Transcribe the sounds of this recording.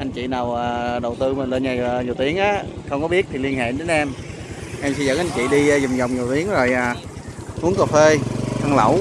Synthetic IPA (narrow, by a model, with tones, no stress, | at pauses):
ʔa˧nt͡ɕḭ˧˨naː˨˩wʔaː˨˩ɗə˨˩wt̪ɨ˧mə˨˩nle˧nɲaː˨˩ɲi˨˩əwt̪i˨˦əŋʔaː˨˦xə˧wŋ͡mkɔ˨˦ɓi˦˥ət̚t̪ʰi˨˩li˧ənhḛ˧˨˧ɗe˨˦nʔɛ˧m | ʔɛ˧msi˧zə̰˧˥ŋʔa˧nt͡ɕḭ˧˨ɗi˧zwŋ͡mzə˨˩wŋ͡mɲi˨˩wt̪i˨˦əŋzo˨˩jʔaː˨˩ | ʔu˨˦˥əŋko˨˩fe˧t̪ʰa˧ŋlə̰˧˩w